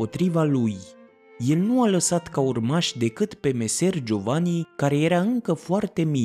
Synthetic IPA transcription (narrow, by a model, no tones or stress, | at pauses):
o̞t̪ɾivaluj | je̞lnualəsat̪kaurmaʃʲd̪e̞kɨt̪pe̞me̞se̞rd͡ʒo̞vanikaɾe̞je̞ɾaɨŋkəfoart̪e̞mi